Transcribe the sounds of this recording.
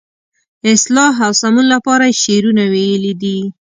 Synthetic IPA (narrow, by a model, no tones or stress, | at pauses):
ɪslɑɦawsamunlapɑɾaʃeɾunawejəlid̪i